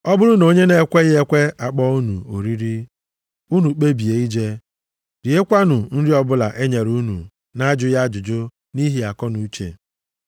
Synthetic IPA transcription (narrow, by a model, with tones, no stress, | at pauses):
ɔ˦bʊ˦ɾʊ˦no˦ɲe˦ne˦kʷe˦ɣɪ˦e˦kʷe˦a˨k͡pɔ˦u˦nu˨o̰˨ɾi˦ɾi˦ | u˦nu˨k͡pe˦bi˨e˨i˦d͡ʒe˦ | ɾi˨e˦kʷa˦nʊ˨n̩˦ɾi˦ɔ˦bʊ˦la̰˨ʔe˦ɲe˨ɾu˦nṵ˨ | na˦a˦d͡ʒʊ˦ja˦d͡ʒʊ˨d͡ʒʊ˦ | ni˦ɦi˦a˨kɔ˦nu˨u˦t͡ʃḛ˨